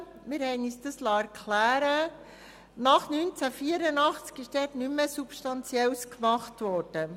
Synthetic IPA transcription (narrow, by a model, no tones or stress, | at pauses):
mɪɾhɛɪnyːsd̥əslɑːæɾkʰχlæːɾə | nɑχnynt͡sæfiəɾənɑχt͡skɪʃd̥ɛːtnymːəsupʃtɑnt͡sjɛlskmɑχtʋɔɾd̥ə